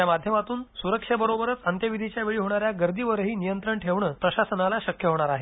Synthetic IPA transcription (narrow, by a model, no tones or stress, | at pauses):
jamad̪ʱjəmat̪uːnsuɾəkʂəbəɾobəɾət͡sənt̪jəʋid̪ʱit͡ɕjaʋeɭiːɦoɽ̃aɾjaɡəɾd̪iːʋəɾɦiːnijənt̪ɾəɳʈʰeʋɳəːpɾəɕasənalaɕəkjəɦoɳ̃aɾaɦe